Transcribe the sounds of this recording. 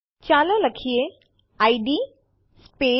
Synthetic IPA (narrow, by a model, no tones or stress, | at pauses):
t͡ɕaːləlɐkʰije | aːiɖi | speː